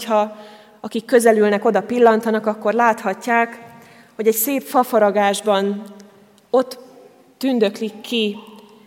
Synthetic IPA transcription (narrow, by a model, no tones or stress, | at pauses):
hɒ | ɒkikːø̞zɛlylnɛko̞d̪ɒpilːɒnt̪ɒnɒkɒkːo̞rlaːt̪hɒcːaːk | ho̞ɟɛcseːpfɒfɒɾɒɡaːʒbɒn | o̞t̪ː | ynd̪ø̞klikːi